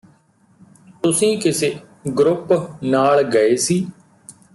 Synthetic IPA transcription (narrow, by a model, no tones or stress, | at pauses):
t̪ʊsĩːkɪseː | ɡɾʊpnaːɭɡəeːsiː